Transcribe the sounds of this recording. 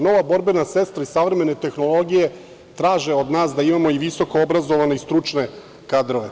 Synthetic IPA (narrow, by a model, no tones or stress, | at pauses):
no̞ʋabo̞ɾbe̞nase̞st̪ɾaisaʋɾeme̞net̪e̞xno̞lˠo̞ɡije̞ | t̪ɾaːʒeod̪naːsd̪aimamo̞iʋiso̞ko̞obɾazo̞ʋane̞ist̪ɾut͡ʃne̞ | kaːd̪ɾoʋe̞